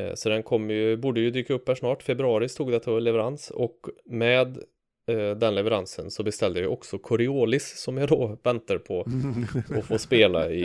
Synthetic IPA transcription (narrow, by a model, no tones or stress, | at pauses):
sɔd̪ɛnkʰɔmːəjɵbuːɖəjɵd̪yːkaɵpːhæʂnɑːʈfɛbɾɵɑːɾɪst̪uːɡd̪ɛt̪ʰːalɛvɛɾansɔkmɛːd̪ː | ɛnlɛvəɾansənsɔbɛst̪ɛld̪əjajʔɔksɔkʰɔɾɪoːlɪsːɔmjɑd̪ɔvɛnt̪aɾpʰɔ | ɔfoːspeːla̰ɪ